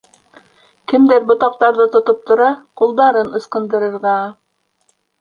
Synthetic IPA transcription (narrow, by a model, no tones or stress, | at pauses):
kɘ̆md̪æɾbŏt̪ɑq̚t̪ɑɾðɤt̪ŏt̪ɤp̚t̪ŏɾɑqulˠd̪ɑɾɤnɤ̆sqɤ̆nd̪ɤ̆ɾɤ̆ɾʁɑ